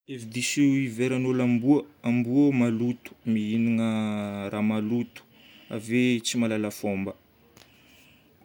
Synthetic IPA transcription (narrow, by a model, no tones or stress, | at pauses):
evid̪isiiveɾanolambuəambuəmalut̪u̥miɦiniŋərʔamalut̪u̥ | a̰vet͡simalalafombə